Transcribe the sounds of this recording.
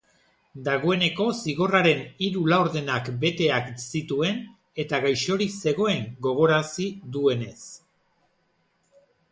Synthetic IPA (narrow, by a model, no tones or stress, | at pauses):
d̪aɣ̞o̞e̞ne̞ko̞siɣo̞raɾe̞niɾulawɾðe̞nakbe̞t̪e̞aksit̪ue̞n | e̞t̪aɣajʃo̞ɾise̞ɣ̞o̞e̞ŋɡo̞ɣ̞o̞ɾasiðue̞ne̞s